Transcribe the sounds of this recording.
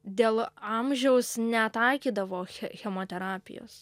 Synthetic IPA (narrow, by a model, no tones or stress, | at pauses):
d̪ʲeːlˠɑmʲʒʲɛʊsnʲɛt̪ɐɪkʲiːd̪ɐʋoːxʲɛxʲɛmoːt̪ʲɛɾɑːpʲɪ̰jo̰s